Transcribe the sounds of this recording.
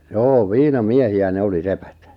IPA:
joː ʋiːnɑmiehiæ ne oli sepæt

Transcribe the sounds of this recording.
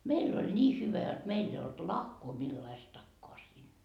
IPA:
meilː olʲ nʲiː hyʋæ jot meilː ei olt lɑhkoː milːɑistɑkːoɑ siːnːæ

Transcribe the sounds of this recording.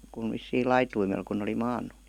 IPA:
kun ʋisːiːl lɑituimel kun oli mɑːnˑu

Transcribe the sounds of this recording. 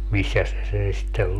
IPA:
misːæs se sen sitːel

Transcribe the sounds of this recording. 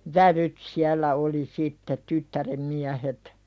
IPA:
ʋæʋyt siælːæ oli sitːe tytːærem miæhet

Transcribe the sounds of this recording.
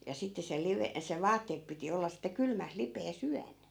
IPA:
jɑ sitːe se liʋe se ʋɑːtːeːp piti olːɑ sitːe kylmæs lipeːs yæn

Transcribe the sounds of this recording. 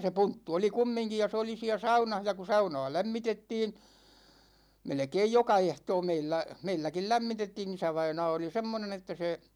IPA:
se puntːu oli kumːiŋki jɑ se oli siæ sɑunɑh jɑ ku sɑunɑ̝ː læmːitetːiːn̞ melĕkeij jokɑ ehtoː meilːæ meilːækil læmːitetːiːn isæʋɑinɑː oli semːonen etːæ se

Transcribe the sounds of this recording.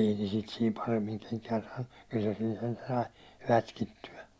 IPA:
ei ne sit siːm pɑremːiŋ keŋkæːn sɑːnːu kyl se siːn sentæ sɑi rætkitːyæ

